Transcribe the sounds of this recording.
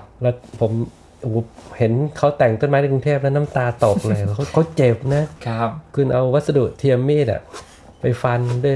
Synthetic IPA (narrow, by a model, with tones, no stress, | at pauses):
lɛ˦˥˩pʰo˩˦m | hoː˩˦he˩˦nkʰa˦˥wt̪ɛ˨˩ŋt̪o˥˩nmaː˧˦˥nʰa˥˩ku˧ŋt̪ʰeː˥˩p̚lɛ˦˥˧na˦˥mt̪aː˧t̪ɔː˨˩k̚lɤː˧kʰa˦˥kʰa˦˥wt͡ɕe˨˩p̚na˦˥kʰɯ˧nʔa˧wwa˦˥t̪̚sa˧du˨˩ʔt̪ʰiː˧ə˧mːeː˥˩t̪̚a̰˩ | pa˧jfa˧ndu˥˩